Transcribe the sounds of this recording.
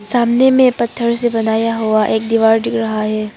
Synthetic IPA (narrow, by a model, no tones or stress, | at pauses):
saːmnemẽpɐt̪ʰːəɾsebɐnaːjaɦoaʔeːk̚d̪iːʋaːɾɖɪkɾɐɦaɦɛː